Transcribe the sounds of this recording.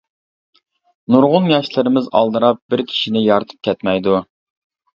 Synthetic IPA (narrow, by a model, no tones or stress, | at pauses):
nuɾʁʊnjɑʃlˠɨɾɪmɪzɑ̰lˠd̪ɨɾɑp̚bɪɾkʲʰi̥ʃinɪjɑɾt̪ʰɨ̥p̚kʲʰɛt̪mɛjd̪u